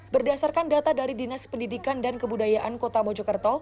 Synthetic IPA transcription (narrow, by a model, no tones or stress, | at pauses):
bərdasarkandat̪adaɾidinaspəndidikandankəbudajaʔankot̪amɔd͡ʒɔkərt̪ɔ